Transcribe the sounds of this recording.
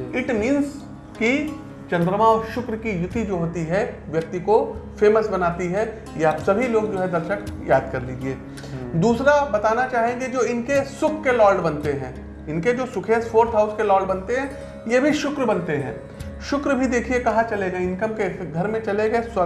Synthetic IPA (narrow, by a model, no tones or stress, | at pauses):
ɪʈmĩːnz | ki | t͡ʃɐ̃nd̪ɾəmaːʃʊkɾkijʊt̪id͡ʒoːɦoːt̪iɦɛʋjɐk̚t̪ikofeːməsbɐnaːt̪iɦɛ | jasɐbʱiloːɡd͡ʒoːɦɛd̪ɐɾʃəkjaːd̪̚kɐɾliːd͡ʒieː | d̪uːsɾabɐt̪aːnat͡ʃaːɦẽɡed͡ʒoːɪnkesʊkʰːelɔːɾɖbɐnt̪eɦɛ̃ː | ɪnked͡ʒoːsʊkʰeːsfʰoːɾʈ̪ɦaʊskelɔːɭɖbɐnt̪eɦɛ̃ː | jebʱiʃʊkɾbɐnt̪eɦɛ̰̃ː | ʃʊkɾbʱid̪eːkʰiekɐɦãt͡ʃɐleɡaːɪ̃nkəmkeɡʱɐɾmẽt͡ʃɐleɡɐesɐ